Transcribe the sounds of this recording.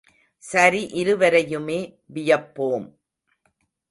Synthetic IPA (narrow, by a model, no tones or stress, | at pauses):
sɐɾiʔɪɾɯʋɐɾɐjɯmeː | ʋɪjɐpːoːm